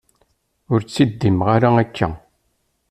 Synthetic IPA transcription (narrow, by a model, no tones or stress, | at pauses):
ʊɾt͡sːid̪ːimʁaɾaækːæ̰